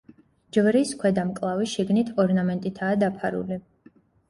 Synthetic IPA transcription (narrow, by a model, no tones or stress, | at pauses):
d͡ʒvɾiskʰwɛd̪amkʼlˠaviʃiɡnit̪ʰɔɾnamɛnt̪ʼit̪ʰaːd̪apʰaɾṵli